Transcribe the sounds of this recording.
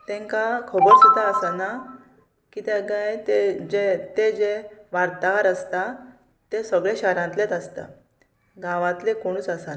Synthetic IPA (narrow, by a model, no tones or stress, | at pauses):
t̪ɛ̃ŋkakʰobəɾsit̪aəsana | kit̪ɛɡajt̪ed͡ʑet̪ed͡ʑeʋaɾt̪aɾəst̪a | t̪esəɡɭeɕaɾãnt̪let̪əst̪a̰ | ɡãʋãt̪lekoɽ̃uːt͡səsana